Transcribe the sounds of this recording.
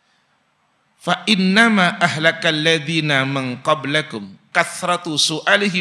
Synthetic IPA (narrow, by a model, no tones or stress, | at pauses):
faʔɪnːamaʔaɦlakalːaðiːnamɪnqɑblakʊmkaθɾˤɑt̪sʊʔaːlɪɦɪ